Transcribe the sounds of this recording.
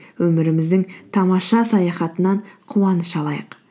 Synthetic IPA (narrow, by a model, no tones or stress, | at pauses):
wɵmɪɾɪmɪzd̪ɪŋt̪ʰɑmɑʃɑsɑjɑχɑt̪ənɑɴqʰuwɑnəʃɑlˠɑjəq